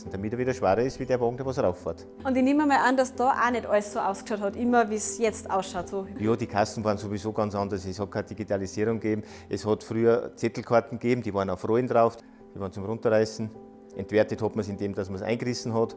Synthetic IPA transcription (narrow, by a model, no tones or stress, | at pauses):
n̩d̥amɪtəviːdɐʃʋaːʁɐɪstv̥iːdeɐvoːɡŋ̩deɐvosʁaʊffaɐt | ʊntɪneːmɐmaʔandasd̥ɑːʔanɛdʔɔlssoːʔa̰ʊskʃaʊthɑtʔɪmɐviːsjɛt͡sta̰ʊsʃaʊtsoːjoːd̥iːkʰasn̩vɑːʁənsovizoːɡɑnt͡sɑndɐsɛshɑt̚kʰaːd̥iɡitʰalisiːʁʊŋɡ̥eːbm̩ | ʔɛshɑtfʁyːɐt͡sɛtl̩kʰaɐtn̩ɡ̥eːbm̩d̥iːvɑːɐənaʊfrɔɪndʁaʊfd̥ | d̥iːvɑːʁənt͡sʊmʁʊ̃ntəʁaɪsn̩ | ʔɛntv̥ɛɐtəthɑtmɐsɪndeːmd̥asmɐsʔa̰ɪnɡʁɪsn̩ɦɔt